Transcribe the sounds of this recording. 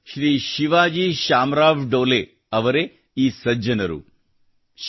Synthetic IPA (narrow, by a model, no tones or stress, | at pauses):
ʃɾiːʃiʋaːd͡ʒiːʃaːmɾaːʋɖoːle | ɐʋɐɾe | iːsɐd͡ʒɐnɐɾṵ